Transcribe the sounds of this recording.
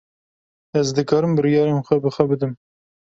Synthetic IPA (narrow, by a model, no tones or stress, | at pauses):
ɛzd̪ɨkɑːɾɨmbɨɾijɑːɾenxʷɛbɨxʷɛbɨd̪ɨm